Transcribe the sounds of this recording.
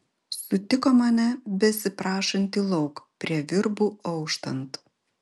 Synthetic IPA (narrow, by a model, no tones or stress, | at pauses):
sʊt̪ʲɪkoːmɑnʲɛbʲɛsʲɪpɾɑːʃɐnʲt̪ʲiːlˠɒʊkpʲɾʲiɛʋʲɪɾbuːɔʊkʃt̪ɐnt̪